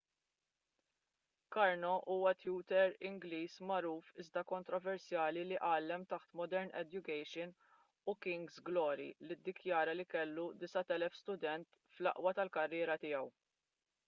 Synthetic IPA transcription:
kɐɾnɔʔuːwɐt̪juːt̪ɛɾɪŋɡliːsmɐɾuːfɪzd̪ɐkɔnt̪ɾɔvɛɾsjɐːliliʔɐːlːɛmt̪ɐħt̪mɔd̪ɛɾnɛ̰d̪jʊkɛjʃɪn | ukɪŋɡzɡlɔːɾḭlid̪ːɪkjɐːɾɐlikɛlːud̪ɪsɐt̪ɛlɛfst̪ʊd̪ɛnt̪ | flɐ̰ʔwɐt̪ɐlkɐrːɪːɾɐt̪ɪːɐw

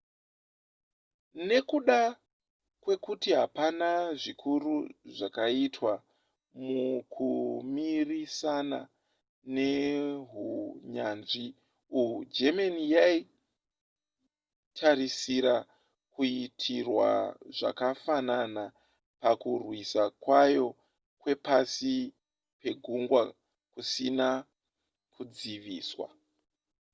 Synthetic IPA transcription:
ne̞kuɗa | kwe̞kutiɦapanaʐikʰuruʐakaitwa | mukʰumirisana | ne̞ɦuɲanʐi | ujud͡ʒemanijai | tʰaɾisiɾa | kuitʰirwa̰ʐa̰kafanana | pakurwisakwajo̞ | kwe̞pasi | pe̞ɡʱuŋɡwa | kusina | kud͡ziʋiːswa̰

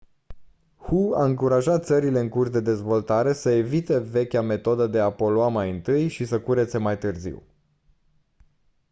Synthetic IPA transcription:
hua̰ɨŋkuɾaʒat̪t̪səɾile̞ɨŋkursd̪e̞d̪e̞zvo̞lt̪aɾe̞səe̞vit̪e̞ve̞kʲame̞t̪o̞d̪əd̪e̞apo̞loamajɨnt̪ɨjʃisəkuɾe̞t̪se̞majt̪ɨrzḭw

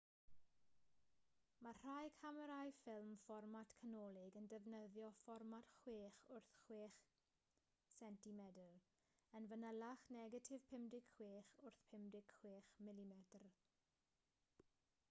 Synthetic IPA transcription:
mar̥ajkʰaməɾajfɪlˠmfɔrmatʰkʰənɔːlˠɪɡəndɛvnəðjɔfɔrmad̥χweːχʊrθχweːχ | sɛntimɛdəlˠ | ənvənəlˠaχnɛɡətʰɪv̥pʰɪmdɪɡ̥χweːχʊrθpʰɪmdɪɡ̥χw̥eːχmɪlˠimɛtr

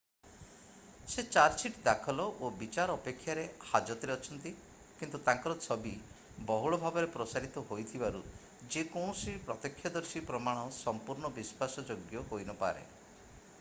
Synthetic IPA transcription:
set͡ʃaɾsiʈd̪akʰɔlɔʔobit͡ʃaɾɔɔpekʰːjaɾehad͡ʒɔt̪ɔɾeɔt͡ʃʰɔnt̪i | kint̪ut̪ãŋkɔɾɔsɔbi | bɔɦuɭɔbʱabɔɾepɾɔsaɾit̪ɔɦojt̪ʰibaɾu | d͡ʒekɔ̃sipɾɔt̪ɔkʰːjɔd̪ɔɾsipɾɔmaɽ̃ɔsɔmpuɾɳɔbispasɔd͡ʒoɡjɔɦojnɔpa̰ɾḛ

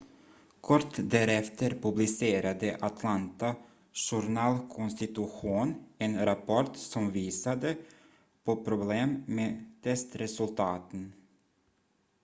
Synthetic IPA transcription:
kʰɔʈːd̪æːɾɛft̪ʰəɾpɵblɪseːɾad̪əʔat̪ʰlant̪a | ʂʊɾɳɑːlkʰɔnst̪ɪt̪ɵɧuːnɛnɾapʰɔʈsɔmviːsad̪ə | pʰopʰɾʊbleːmmeːt̪ʰɛst̪ɾɛsɵlt̪ʰɑːt̪ən

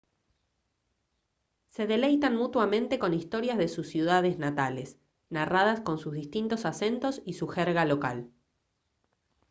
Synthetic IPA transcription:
se̞ðe̞lejt̪anmut̪wamẽ̞nt̪e̞ko̞nist̪o̞ɾjazðe̞susːjuð̞aðeznat̪ale̞s | narað̞asko̞nsuzðist̪int̪o̞sase̞nt̪o̞sisuxeɾɣalo̞ka̰l

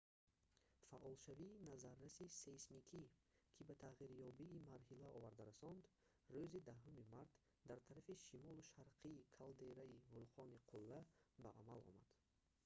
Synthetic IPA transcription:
faʔɔlʃaviːnazaɾːasisesmikʰikʰibat̪ʰaʁiɾjɔbiːmaɾɦilaɔvaɾd̪aɾasɔnd̪ | røzid̪aɦumimaɾt̪ | d̪aɾt̪ʰaɾafiʃimɔluʃaɾqʰiːkʰald̪e̞ɾaivulqʰɔniqʰulːabaʔamalɔ̰mad̪̥

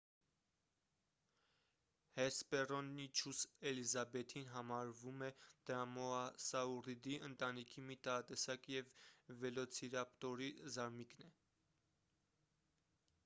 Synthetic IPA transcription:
hɛspɛrɔnːit͡ʃʰusɛlizɑbɛt̪ʰinɦɑmɑɾvumɛd̪̥ɾɑmɔɑsɑurid̪iʔənt̪ɑnikʰimit̪ɑɑt̪ɛsɑkjɛvːɛlɔt͡sʰiɾɑpt̪ɔɾizɑɾmiknɛ

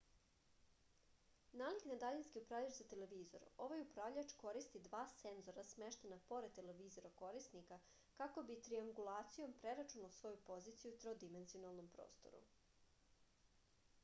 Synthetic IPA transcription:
naːliknad̪aʎanskiupɾavʎat͡ʃzat̪e̞le̞ʋiːzo̞̰ɾo̞ʋajupɾavʎat͡ʃko̞ɾist̪id̪ʋaːsenzo̞ɾasmeʃt̪enapo̞ɾed̪t̪ːe̞le̞ʋiːzo̞ɾako̞ɾisnika | kako̞bit̪ɾiaŋɡulˠaːt̪sijo̞mpɾe̞ɾat͡ʃunaosʋo̞jupo̞ziːt̪sijut̪ɾod̪ime̞nzio̞nalˠno̞mpɾo̰ːst̪o̞̰ɾṵ

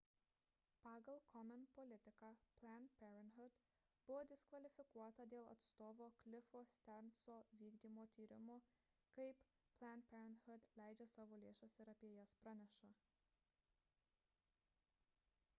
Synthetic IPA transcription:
pɑːɡɐlˠkʰɔmʲɛnpɔlʲɪt̪ʲɪkɑpʲlʲænpʲɛɾʲɛnɦʊd̪̥ | bʊʋoːd̪ʲɪskʋɐlʲɪfʲɪkuɔt̪ɐd̪ʲeːlˠɐ̰t̪st̪oːʋoːklʲɪfoːsʲt̪ʲɛɾnsoːʋʲiːɡd̪ʲiːmoːt̪ʲiːɾʲɪmo | kɐɪp | plʲˠænpʲɛɾʲɛnhʊd̪lʲæˑɪd͡ʒʲesɑːʋoːlʲeːʃosʲɪɾɐpʲeɛjɛspɾɐnʲɛʃɐ

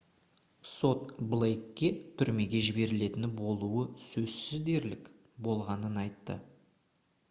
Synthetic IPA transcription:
so̞t̪blˠejkʲːe̞t̪ʰʏɾme̞ɡʲe̞ʒɪbe̞ɾɪle̞t̪ɪnbo̞lˠuəsɵzsɪzd̪e̞ɾlɪk | bo̞lˠʁɑnənɑjt̪ːə̰

